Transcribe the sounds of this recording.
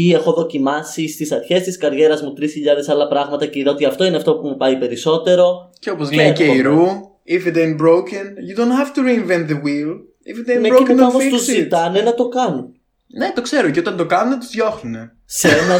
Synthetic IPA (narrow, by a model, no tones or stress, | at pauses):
ie̞xo̞ðo̞cimɐsist̪isɐɾçe̞st̪iskɐɾʝe̞ɾɐzmut̪ɾisçiʎɐðe̞sɐlɐpɾɐɣmɐt̪ɐceiðeot̪iɐft̪o̞ineɐft̪o̞pumupɐipe̞ɾiso̞t̪e̞ɾo̞ceopozleeiɾu | ifid̪ẽnbɾowkɐnjud̪õnthɐft̪uɾiinvɛ̃nt̪̚ðewil | ifid̪ẽmeɐomost̪uzit̪ɐnenɐt̪o̞kɐnun | ne̞t̪o̞kse̞ɾoceot̪ɐnd̪o̞kɐnunet̪uzðjoxnune | senɐ